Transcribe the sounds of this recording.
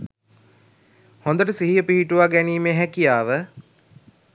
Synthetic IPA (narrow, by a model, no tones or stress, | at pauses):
hõnd̪əʈəsiɦijəpiɦiʈuʋaɡæniːmeːɦækijaːʋə